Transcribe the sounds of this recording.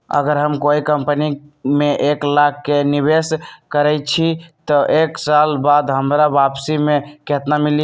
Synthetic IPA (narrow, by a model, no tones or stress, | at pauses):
ə̰ɡəɾɦəmkoikəmpənimeʔeklakːeniβeskəɾɛjt͡ʃʰit̪ɔʔeksalbad̪ɦəmɾabapsimeket̪namilij